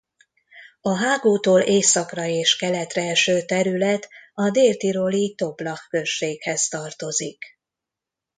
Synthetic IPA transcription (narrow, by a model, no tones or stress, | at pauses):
ɒɦaːɡoːt̪oːlʔeːsɒkrɒeːʃkɛlɛt̪rɛɛʃøːt̪ɛɾylɛt̪ɒd̪eːlt̪iɾo̞lit̪o̞blɒxːø̞ʃːeːkhɛst̪ɒrt̪o̞zik